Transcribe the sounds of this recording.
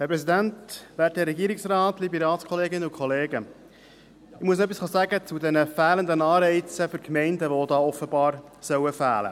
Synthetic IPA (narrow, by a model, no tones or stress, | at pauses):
hɛɾpɾɛs̬idænt̪ʋæːɾtɛɾɛɡiːɾɪksɾɑːt̪libiɾɑːlskʰχɔleːɡɪnːəukʰɔleːɡə | ɪmuəsnɛp̬ːisχɑːsæɡət͡sudɛnəfæːlənd̪ənɑːɾɛɪt͡səfʏɾkmɛɪndəʋod̪ɑːɔfəbɑːɾsœwəfæ̰ːlə̰